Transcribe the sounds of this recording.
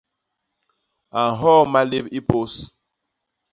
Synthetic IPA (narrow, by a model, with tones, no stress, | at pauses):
a˨n˨ɦɔ˦˨ma˦le˦bi˦po˦s